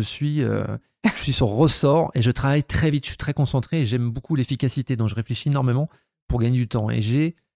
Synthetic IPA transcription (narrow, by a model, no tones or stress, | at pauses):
əsɥiø̰ | əsɥisyʁʁəsɔʁeʒət̪χavajt̪χɛvit̪ʒə̥sɥi̥t̪χɛkɔ̃sɑ̃t̪χeːʒɛmbokulefikʲasit̪ed̪ɔ̃kʒəʁefleʃienɔʁmemɑ̃ | puʁɡaɲed̪yt̪ɑ̃ḛʒe